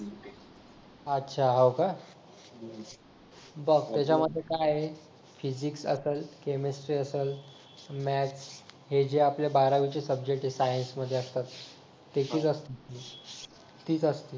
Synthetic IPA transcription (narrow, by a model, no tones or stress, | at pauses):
ətːɕʰaɦowka | bəɡt̪jat͡ɕaməd̪ʱːjekajɦe | fid͡ʑiksə̰səlkemesʈɾiːəsəl | mæsɦed͡ʑeaplebaɾaʋit͡ɕesəb̚d͡ʑek̚ʈesajənsməd̪ʱːjeəst̪at̪ː | et͡ɕiːt͡səst̪ii | t̪iːt͡səst̪iː